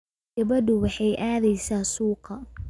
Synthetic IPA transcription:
ɡɐβɐd̪ʊwɑħɑjʔaːðɛjsaːsuːqɑ

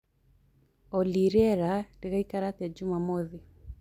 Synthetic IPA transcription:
ɔliɾɛɾadiɣaikaɾatiad͡ʒumamɔði

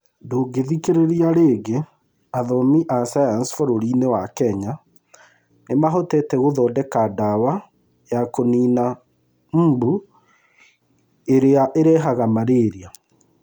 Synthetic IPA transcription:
doːɡeðikeɾeɾiaɾeːɡe | aðɔmiʔasajansfɔɾoɾiːnewakɛɲa | nemaɦotɛtɛɣoðɔːdɛkadawa | jakoniːna | m̩ːbu | eɾeaʔeɾɛːɦaɣamaɾeːɾia

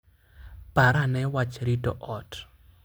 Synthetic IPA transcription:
paɾanɛwat͡ʃɾitɔ̰ʔɔt

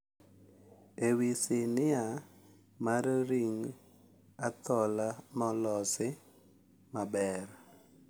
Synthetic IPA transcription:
ewisɪnɪa | maɾɾiŋ | at̪ɔlamɔlɔsɪ | mabɛɾ

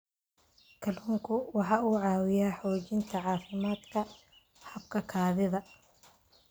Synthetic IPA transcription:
kʰɐlhuːŋkʰʊwɑħɑːuːʕɑːwɪjaːħɔːt͡ʃɪnt̪ʰɐʕɑːfɪmaːd̪kʰɐ | hɐb̚kʰɐkʰaːðɪðɐ

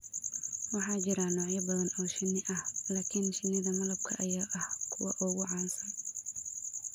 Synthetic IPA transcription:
wɑħɑːt͡ʃɪɾanɔːʕjɐbɐðɐnɔːʃɪnːɪʔɐhlaːkʰɪnʃɪnːɪðɐmɐlɐb̚kʰɐʔɐjaːʔɐhkʰʊwɑ̰ʔʊɣʊʕɑːnsɐn

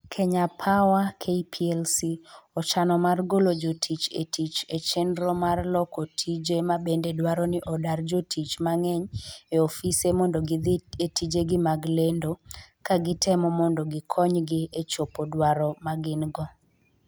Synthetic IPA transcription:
kʰeɲapʰawakʰepʰiɛlsiɔt͡ʃanɔmarɡolod͡ʒotʰit͡ʃḛtʰit͡ʃet͡ʃendɾɔmarlɔkotʰid͡ʒemabendedwaɾɔnɪʔɔdard͡ʒotʰit͡ʃmaŋɛɲeofisemɔndoɡɪetid͡ʒeɡɪmaɡlendokaɡɪtʰɛmɔmɔndoɡɪkʰɔɲɡɪet͡ʃopodwaɾɔmaɡɪnɡɔ

